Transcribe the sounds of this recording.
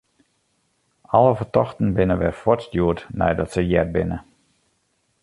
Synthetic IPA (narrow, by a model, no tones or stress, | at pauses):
ʔɔləfərtɔxtən̩bɪnəʋɛrfɔtstjuətnɛ̰jdɔtsəjɛt̚bɪnə